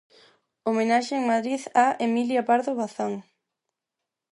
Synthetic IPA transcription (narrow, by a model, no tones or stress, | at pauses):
omenaʃeeŋmaðɾiðaemiljapaɾðoβaθaŋ